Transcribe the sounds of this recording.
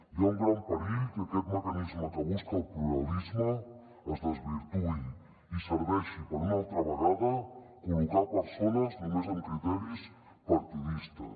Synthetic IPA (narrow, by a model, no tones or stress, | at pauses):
jauŋɡɾampaɾiʎk̪akɛt̪məkanizmot̪aβuskalpluɾalizmo | azðezβiɾt̪u | iseɾβɛʃipoɾunalt̪ɾaβaɣaða | uβik̪apəɾsonaznomezãnt̪ɾit̪oɾis | paɾt̪iðist̪a̰